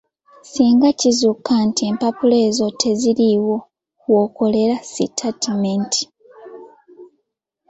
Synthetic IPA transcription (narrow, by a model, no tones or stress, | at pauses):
siːŋɡacizukːantie̞mpapule̞ːzo̞tʰe̞ziɾiwo̞ | wo̞ːko̞le̞ɾasḭtʰatimenti̥